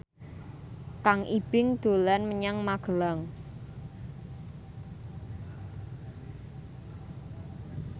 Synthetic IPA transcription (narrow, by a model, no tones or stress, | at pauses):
kaŋʔib̥ɪŋd̪̥o̤lanməɲaŋmaɡ̥əlaŋ